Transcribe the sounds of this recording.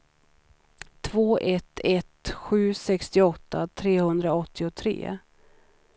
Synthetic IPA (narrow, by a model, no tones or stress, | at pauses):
t̪ʰvoːʔɛt̪ʰɛt̪ɧʉ̟ːsɛkst̪ɪɔt̪ːat̪ʰɾeːhɵnd̪ɾaɔt̪ʰːɪʊt̪ʰɾḛː